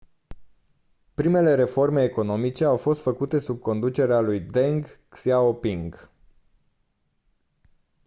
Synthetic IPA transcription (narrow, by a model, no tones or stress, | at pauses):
pɾime̞le̞ɾe̞fo̞rme̞ːko̞no̞mit͡ʃe̞awfo̞st̪fəkut̪e̞sub̚ko̞nd̪ut͡ʃe̞ɾealujd̪eŋɡ | siaopiŋɡ